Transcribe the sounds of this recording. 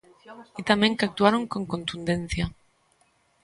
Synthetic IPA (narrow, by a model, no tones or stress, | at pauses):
it̪amẽŋkak̚t̪uaɾoŋkoŋkont̪und̪ẽn̟θja